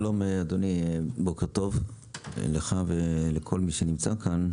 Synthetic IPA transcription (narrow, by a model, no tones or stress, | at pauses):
lo̞mead̪onibokeʁt̪o̞v | leχavelekʰo̞lmiʃenimt͡sakʰan